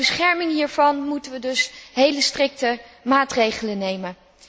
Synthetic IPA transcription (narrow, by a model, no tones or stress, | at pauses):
əsχɛɹmɪŋɦiːɹvɑnmutənʋədɵsɦejləstrɪk̚təmaːtrejχələnejmən